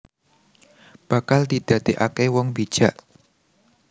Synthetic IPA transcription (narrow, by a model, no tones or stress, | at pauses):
b̥ä̤kald̪̥id̪̥ä̤d̪̥eʔakewɔŋbid̥ʒ̥ä̤ʔ